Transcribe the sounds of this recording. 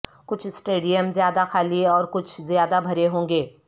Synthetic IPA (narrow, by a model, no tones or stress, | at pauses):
kʊt͡ʃʰsʈeːɖijəmzjaːd̪axaːliɔːɾkʊt͡ʃʰzjaːd̪abʱɐɾeɦõːŋɡeː